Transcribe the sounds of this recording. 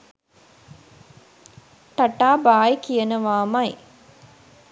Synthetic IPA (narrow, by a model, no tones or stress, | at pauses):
ʈɐʈaːbaːjkijənəʋaːmɐj